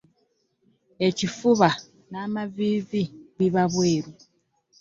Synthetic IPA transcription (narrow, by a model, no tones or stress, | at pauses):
e̞cifuβa | naːmaviːviβiβaβweːɾu